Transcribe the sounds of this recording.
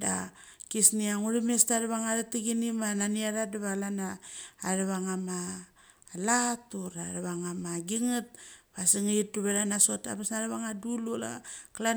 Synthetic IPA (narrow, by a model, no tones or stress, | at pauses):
da̰ | kisniaŋuɾimestaɾaβaŋaɾatiɡinimananiaɾadaβalanaːɾaβaŋama | latuɾa̰ɾaβaŋamaɡiŋat̚βasiŋaituβaɾanaso̞ta̰basnaɾaβaŋadulula̰kla